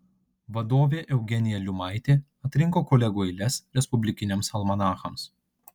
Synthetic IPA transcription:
ʋɐd̪oːʋʲeːʔɛʊɡʲɛnʲɪjɛlʲʊmɐɪt̪ʲeː | ɐt̪ʲɾʲɪŋˑkoːkɔlʲɛɡoːɪlʲɛsɾʲɛspʊbʲlʲɪkʲɪnʲemsɐlˠmɐnɑːxɐms

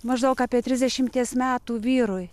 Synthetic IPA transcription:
mɐʒd̪ɐʊkɑːpʲiɛt̪ʲɾʲɪzʲd̪ʲɛʃʲɪmʲt̪ʲiɛsmʲæːt̪uːʋʲiːɾʊj

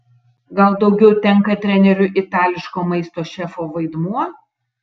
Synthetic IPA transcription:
ɡɐlˠd̪ɒʊɡʲɛʊt̪ʲɛŋˑkɐt̪ʲɾʲɛnʲɛɾʲʊʔɪt̪ɑːlʲɪʃkoːmɐɪst̪oːʃʲɛfoːʋɐɪd̪muɔ

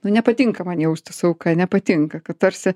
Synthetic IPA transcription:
nʊnʲɛpɐt̪ʲɪŋkɐmɐnʲjɛʊst̪ɐsɐʊkɐnʲɛpɐt̪ʲiŋkɐkɐt̪t̪ɐɾʲsʲɪ

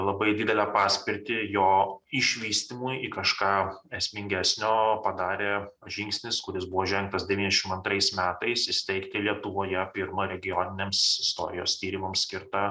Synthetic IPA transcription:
lˠɐbɐɪd̪ʲɪd̪ʲɛlʲɛːpɑːsʲpʲɪɾʲt̪ʲɪjoːɪʃʲʋʲiːsʲt̪ʲimʊjikɐʃkɑːɛsʲmʲɪŋʲɡʲæːsʲnʲoːpɐd̪ɑːɾʲeːʒʲɪŋksʲnʲɪskʊɾʲɪsbʊʋoːʒʲɛŋk̚t̪ɐsd̪ʲɛʋʲiːnʲɛɛʃɪmɐnt̪ɾɐɪsmʲæːt̪ɐɪsɪsʲt̪ʲɛɪkt̪ʲɪlʲiɛt̪ʊʋoːjɛpʲɪɾmɐɾʲɛɡʲɪjoːnʲɪnʲeːmsɪst̪o̰ːɾʲɪjo̰ːst̪ʲiːɾʲɪmɐmssʲkʲɪɾt̪ɑ

